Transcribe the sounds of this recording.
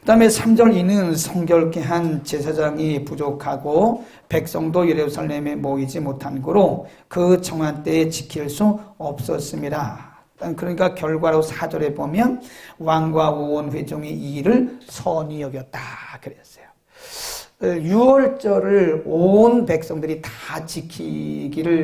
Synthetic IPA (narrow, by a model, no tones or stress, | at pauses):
kɯdaɦɯme̞sʰamd͡ʑʌɾinɯnsʰʌŋɡjʌɭkeɦant͡ɕe̞sʰad͡ʑaŋipud͡ʑokʰaɡo | pe̞k̚s͈ʌŋdojeɾep̚sʰaɭmememoid͡ʑimotʰanɡɯɾo | kɯt͡ɕʌŋwant͈e̞ːt͡ɕi̥kʰiɭs͈uʌp̚s͈ʌs͈ɯmɲida | kɯɾʌɲik͈akjʌɭɡwaɾosʰad͡ʑʌɾe̞bomjʌnwaŋɡwaonɸwe̞d͡ʑoŋiiɾɯɭsʰʌɲijʌɡjʌt̚t͈akɯɾeʌs͈ʌ̥jo̥ | juwʌɭt͡ɕ͈ʌɾɯɭonpe̞k̚s͈ʌŋdɯɾitḁt͡ɕikʰḭɡiɾɯɭ